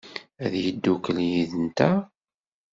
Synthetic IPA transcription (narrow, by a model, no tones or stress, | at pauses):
æðjid̪ːukːəljiðənt̪æ